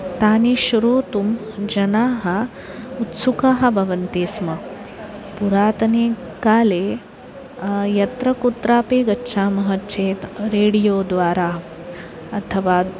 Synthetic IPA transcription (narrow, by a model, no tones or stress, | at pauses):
t̪aːniʃɐɾuːt̪umd͡ʒɐnaːɦɐ | ut̪sukaːɦɐ̆bʱɐʋɐnt̪eːsmɐ | puɾaːt̪ɐneː | kaːleː | jɐt̪ɾɐkut̪ɾaːpeːɡɐtːʃʰaːmɐɦɐtt͡ʃʰeːt̪ɾeːɽijoːd̪ʋaːɾaː | ɐt̪ʰɐʋaː